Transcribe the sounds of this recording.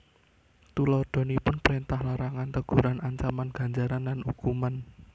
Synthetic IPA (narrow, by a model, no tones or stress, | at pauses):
t̪ulɔd̪̥ɔ̤nipʊnpɾint̪ahlaɾaŋant̪əɡ̥ṳɾanaɲt͡ʃamanɡ̥a̤ɲd͡ʒaɾanlanukuman